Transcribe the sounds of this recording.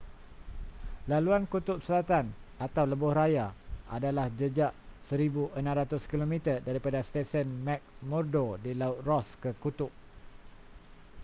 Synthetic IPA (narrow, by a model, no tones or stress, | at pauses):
laluankut̪ʊʔ̚səlat̪anat̪awləbʊhɾajaa̰dalahd͡ʒəd͡ʒaʔsəɾibuʔənãmɾat̪ʊskilomĩt̪ədaɾipadast̪esənmɛk̚mɔrdodilaʊt̪̚rɔskəkut̪ʊʔ̚